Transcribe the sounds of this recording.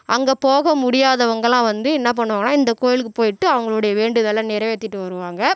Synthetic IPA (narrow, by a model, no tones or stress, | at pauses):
ʔɐŋɡɐpoːɣɐmʊɽɪjaːðɐʋɐŋɡɐɭãːʋɐnd̪ɯɛnːɐp̬ɐɳːɯʋãːɡɐnːaːɪnd̪ɐkoːjɪlɯkːɯpoːjɪʈːɯɐʋɐŋɡɐɭɯɽɐjɐʋeːɳɖɯðɐlːãːnɪɾɐʋeːt̪ːɪʈːɯʋɐɾɯʋaːŋɡɐ